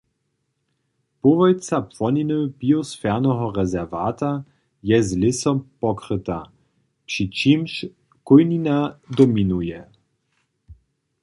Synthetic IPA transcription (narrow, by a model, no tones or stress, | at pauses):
povɔjt͡sapwɔninəbiɔsfɛʁnɔɦɔʁɛzɛʁvaːt̪a | jɛzlɪsɔmpɔkɾət̪a | pʂit͡ʃimʃ | kʊjninad̪ɔminujɛ